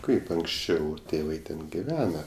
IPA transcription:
ˈkɐɪp ɐŋksʲˈt͡ʃʲɛʊ ˈtʲeːʋɐɪ ˈtʲɛn ɡʲɪˈʋʲæːnɐ

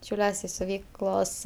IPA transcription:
ʃʲɛʊˈlʲuɔsʲ ɪ sʲʊˈʋʲiːklˠoːs

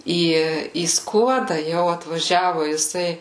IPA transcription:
ˈiː iː ˈskuɔdɐ ˈjɛʊ ɐtʋɐˈʒʲæːʋʊ jɪˈsɐɪ

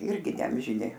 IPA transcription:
ˈɪrʲɡʲɪ nʲɛɐmʲʒʲɪˈnʲɪ

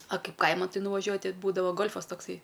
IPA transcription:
ɐ ˈkɐɪp ˈkɐɪmɐn ˈtɐɪ nʊʋɐˈʒʲuɔjʊ tʲɛ ˈbuːdɐʋoː ˈɡoːlˠfɐs toːkˈsɐɪ

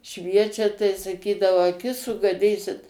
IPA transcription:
ˈʃʲʋʲiɛt͡ʃʲɛ tɐɪ sɐˈkʲiːdɐʋɐʊ ɐˈkʲɪs sʊɡɐˈdʲiːsʲɪt

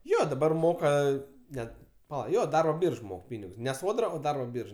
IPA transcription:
ˈjoː dɐˈbɐr ˈmoːkɐ ˈnʲɛt pɐˈlˠɐ ˈjoː ˈdɐrboː ˈbʲiːrʃ ˈmoːk ˈpʲiːnʲɪɡʊs nʲɛ ˈsoːdrɐ oː ˈdɐrboː ˈbʲiːrʃ

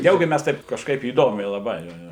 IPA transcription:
ˈnʲɛʊɡʲɪ ˈmʲɛs ˈtɐɪp kɐʃˈkɐɪp iːˈdoːmʲɛɪ lˠɐˈbɐɪ ˈjoː ˈjoː

